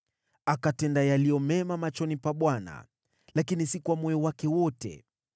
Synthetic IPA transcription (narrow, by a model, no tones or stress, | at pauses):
akatɛndajalijɔmɛmamat͡ʃɔnipaɓwana̰ | lakinisikuwamɔjɔwakɛwɔtɛ̰